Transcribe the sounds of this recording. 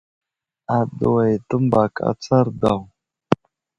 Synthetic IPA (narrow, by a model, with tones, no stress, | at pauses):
a˨də˨wa˨jtə˦mba˨ka̰˦t͡sa˦ɾda˨w